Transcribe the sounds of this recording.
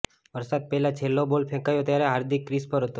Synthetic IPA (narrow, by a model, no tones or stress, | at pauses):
ʋəɾsaːt̪̚pɛɦlat͡ʃʰelːoboːlpʰẽːkaːjot̪jaːɾeɦaːɾd̪ʱikːɾispəɾɦət̪o